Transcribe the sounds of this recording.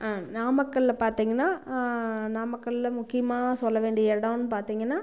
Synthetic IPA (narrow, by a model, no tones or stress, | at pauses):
aːnaːmɐkːɐɭɪlɐpaːɾt̪iːŋɡɐnːaː | naːmɐkːɐɭɪlɐmʊkːɪjɐmaːsɔlːɐʋeːɳɖɪjɐɛɽɐ̃ːnːɯpaːɾt̪iːŋɡɐnːaː